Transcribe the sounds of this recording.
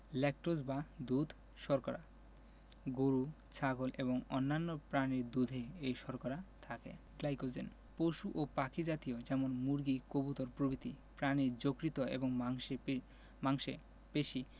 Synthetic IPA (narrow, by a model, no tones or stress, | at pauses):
lɛk̚ʈosbad̪ud̪ʱ | ʃɔɾkoɾa̰ | ɡoɾu | t͡ɕʰaɡolʔeboŋonːanːopɾaniɾd̪ud̪ʱeejʃɔɾkoɾat̪ʰakḛ | ɡlajkod͡ʑen | poʃuʔopakʰid͡ʑat̪iod͡ʑɛmonmuɾɡikobut̪oɾpɾobit̪i | pɾaniɾd͡ʑokɾit̪oḛboŋmaŋʃe | maŋʃḛ | peʃi